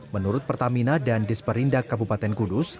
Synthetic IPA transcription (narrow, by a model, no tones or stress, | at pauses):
mənuɾʊt̪̚pərt̪aminadandɪspəɾindakabupat̪ɛnkudʊs